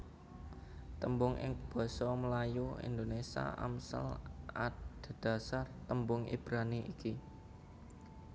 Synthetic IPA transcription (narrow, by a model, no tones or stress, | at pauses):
t̪əmbʊŋʔɪ̰ŋb̥ɔ̤sɔməlajuḭnd̪onesa̰ʔa̰msə̰la̰t̪d̪̥̤d̪̥ä̤sart̪əmbʊŋḭb̥ɾaniʔiki